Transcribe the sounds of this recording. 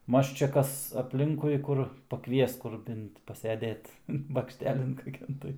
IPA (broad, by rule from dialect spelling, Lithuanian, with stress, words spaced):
ˈmɐʃ t͡ʃʲɛ ˈkɐs ɐpʲˈlʲɪŋkʊɪ ˈkʊr pɐˈkʋʲiɛs ˈkʊr ˈbʲɪnt pɐsʲɛˈdʲeːt bɐkʃʲˈtʲæːlʲɪn kɐˈkʲɛn tɐɪ